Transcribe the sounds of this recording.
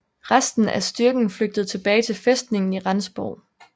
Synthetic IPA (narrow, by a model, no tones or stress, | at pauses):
ʁasd̥n̩æsd̥yɐɡ̥n̩fløɡ̥̚d̥əð̞̩ˠt͡sʰe̝b̥ɛːɪt͡sʰe̝lfesd̥ne̝ŋn̩iʁɑnsb̥ɒʊ̰